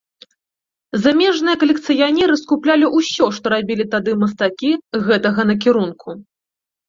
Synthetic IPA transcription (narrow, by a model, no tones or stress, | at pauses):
zamʲɛʐnɨjɐkɐlʲɛkt̪sɨjanʲɛɾɨskuplʲalʲiʔusʲɔʂt̪ɔɾabʲilʲit̪ad̪ɨmɐst̪akʲiɣɛt̪ɐɣɐnɐkʲiɾunkʰu